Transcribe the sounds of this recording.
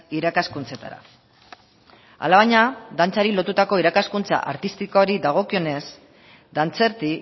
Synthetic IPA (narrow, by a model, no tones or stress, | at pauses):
iɾakaskunt͡se̞t̪a̰ɾa̰ | a̰laβaɲad̪ant͡saɾilo̞t̪ut̪ako̞iɾakaskunt͡sa̰ʔa̰ɾt̪ist̪ikoɾid̪aɣ̞o̞kio̞ne̞s | d̪ant͡se̞ɾt̪i